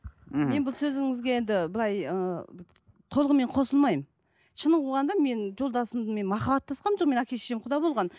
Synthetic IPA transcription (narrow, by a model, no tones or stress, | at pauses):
me̞nbɪlˠsɵzɪŋɪzɡʲe̞je̞nd̪ɪbɪlˠɑjə | t̪ʰo̞lˠəʁəme̞ɴqʰo̞səlˠmɑjm | ʃənəqʰoʁɑnd̪ɑme̞nʒo̞lˠd̪ɑsəmd̪əme̞nmɑχɑbɑt̪ːɑsqɑnmʒoq̚me̞nækʲʰe̞ʃe̥ʃemqʰʊd̪ɑbo̞lˠʁɑn